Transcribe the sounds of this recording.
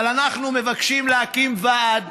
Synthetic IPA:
lanaχnume̞vakʃimleakimvad̪

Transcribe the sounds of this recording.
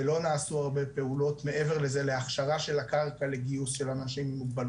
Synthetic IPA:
lo̞naːsuaʁbe̞pe̞ulo̞tme̞ʔeveʁle̞ze̞leaχʃaʁaʃe̞lakaʁkale̞ɡiusʃe̞lanaʃimimuɡ̚bal

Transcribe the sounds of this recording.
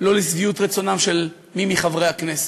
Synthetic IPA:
lo̞lisviut̪ʁet͡so̞namʃel | mimiχavʁejaknese̥

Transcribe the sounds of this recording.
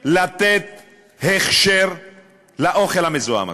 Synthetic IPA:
lat̪et̪̚ | heχʃeʁ | laʔoχelhamezoa̰m̰

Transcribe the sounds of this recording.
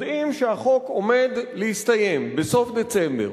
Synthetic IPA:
d̪imʃehaχo̞ko̞me̞d̪lehist̪ajembeso̞fd̪et͡sembḛ

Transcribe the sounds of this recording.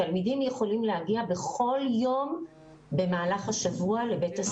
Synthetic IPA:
almidimje̞χo̞limlehaɡiabe̞χo̞ljo̞m | be̞maːlaχaʃavuale̞be̞tas

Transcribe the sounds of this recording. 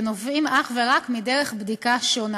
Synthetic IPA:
novimaχveʁakmideʁeχbdikaʃon

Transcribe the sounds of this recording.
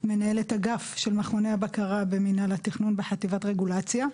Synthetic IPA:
me̞nae̞letaɡafʃe̞lmaχoneabakaʁabe̞minalatiχnunbeħativatʁe̞ɡulat͡sja

